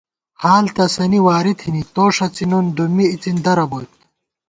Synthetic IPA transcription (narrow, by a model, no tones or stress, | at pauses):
haːlt̪ɐsɐniwaːɾit̪ʰhinit̪oːʂɐt͡sinund̪umiit͡sind̪ɐɾɐbot̪̚